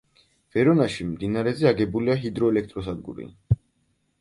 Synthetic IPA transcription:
v̥ɛɾɔnaʃimd̪inaɾɛzɛaɡɛbuliaɦid̪ɾɔɛlɛk̚ʰt̪ʼɾɔsad̪ɡṵɾḭ

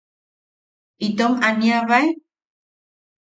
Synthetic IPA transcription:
it̪omaniaβae

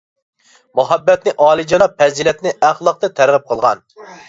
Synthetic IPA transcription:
muɦɛbːɛt̪nɪʔɑːlˠɨd͡ʒɑnɑpʰɛzilɛt̪nɪʔæχlˠɑq̚t̪ɑt̪ʰæɾʁəp̚qʰəlˠʁɑ̰n

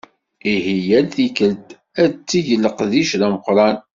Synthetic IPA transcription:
ihijælθikəlt̪ | æt͡sːiʝəlːəqðiʃðæməqɾˤɑn

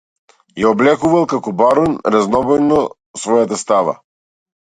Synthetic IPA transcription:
jaɔblɛkuvalˠkakɔbaɾunɾaznɔbɔjnɔ | svɔjat̪ast̪ava̰

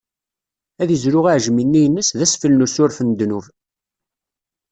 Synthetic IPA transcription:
æðəzɾʊʁaʕʒminːijənːəsðæsfəlnusʊɾfənd̪nuv

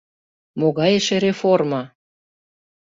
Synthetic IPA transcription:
moɣɑjeʃĕɾeformɑ

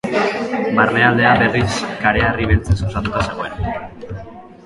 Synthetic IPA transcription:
marne̞ald̪e̞aβe̞riskaɾe̞ariβ̞elt͡sesosat̪ut̪ase̞ɣ̞o̞ena

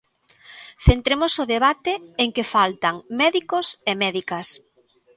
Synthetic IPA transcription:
θent̪ɾemʊsʊðeβat̪ɪeŋkefalt̪aŋmɛðikosemɛðikɐs

